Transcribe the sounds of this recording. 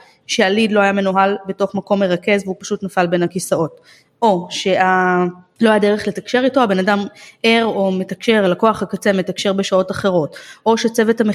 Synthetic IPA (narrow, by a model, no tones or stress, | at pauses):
ʃealidlo̞ajame̞noɦalbe̞to̞χmako̞mːe̞ʁake̞zvupḁʃutnafalbe̞nakisao̞t | o̞ʃe̞alo̞ajade̞eχle̞takʃe̞ʁito̞abe̞nadameʁo̞me̞takʃeʁalako̞aχakat͡seme̞takʃe̞ʁbeʃao̞taχeʁo̞tʔo̞ʃet͡sevethame